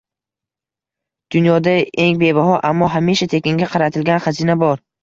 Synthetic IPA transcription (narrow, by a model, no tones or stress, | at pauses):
d̪̥ʊnjɒd̪ae̞ŋbe̞baɦɒʔamːɒɦamiʃat̪ʰe̞kʲeŋɡʲaqʰɑɾat̪ʰɪlɡʲanχazinabɒɾ